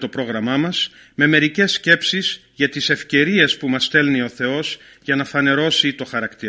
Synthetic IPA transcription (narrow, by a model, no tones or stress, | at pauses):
t̪o̞pɾo̞ɣɾɐmɐmɐs | me̞me̞ɾice̞sce̞psiz̥ | ʝɐt̪ise̞fce̞ɾie̞spumɐst̪e̞lnio̞θe̞o̞z̥ | ʝɐnɐfɐne̞ɾo̞sit̪o̞xɐɾɐkt̪iɾɐ